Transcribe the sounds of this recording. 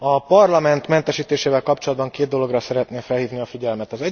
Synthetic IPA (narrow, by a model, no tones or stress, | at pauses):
ɒpɒrlɒmɛnt̪mɛnt̪ɛʃiːt̪eːʃeːvɛlkɒpt͡ʃo̞lɒd̪bɒŋkeːd̪̚d̪o̞lo̞ɡrɒsɛɾɛt̪neːfɛlhiːvniɒfiɟɛlmɛt̪ɒzɛ